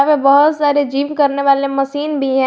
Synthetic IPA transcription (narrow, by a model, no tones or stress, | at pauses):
ʋebɔɦʊt̪saːɾed͡ʒiːʋkɐɾneʋaːlemɐsiːnbʱiɦɛ̃